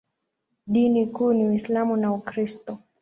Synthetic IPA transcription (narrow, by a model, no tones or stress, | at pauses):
ɗinikuːniwislamunaukɾistɔ